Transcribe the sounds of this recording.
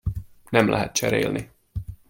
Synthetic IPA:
nɛmlʔæ̰ɦɛt̪̚t͡ʃʰɛɾḛːlni

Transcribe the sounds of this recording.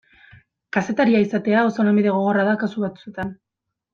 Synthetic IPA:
kase̞t̪aɾiaisat̪e̞aosonambiðe̞ɣ̞o̞ɣ̞o̞raðakasuβat͡sue̞t̪an

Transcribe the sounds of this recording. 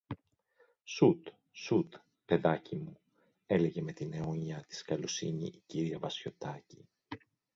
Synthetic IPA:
sut̪ | sut̪ | pe̞ðɐcimu | e̞le̞ʝe̞me̞t̪ine̞oɲɐt̪i̥skɐlo̞sḭɲḭʔiciɾiɐvɐsço̞t̪ɐci

